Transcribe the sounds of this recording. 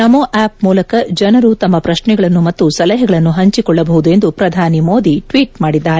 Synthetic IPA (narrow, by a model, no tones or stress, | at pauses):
nɐmoːʔaːp̚muːlɐkɐd͡ʒɐnɐɾut̪ɐmːɐpɾɐʃɳɛɡɐɭɐnːumɐt̪ːusɐlɐɦɛɡɐɭɐnːuɦɐɲt͡ʃikɔɭːɐbɐɦud̪ue̞nd̪upɾɐd̪ʱaːnimo̞ːd̪iʈʋiːʈ̚maːɽid̪ːaːɾɛ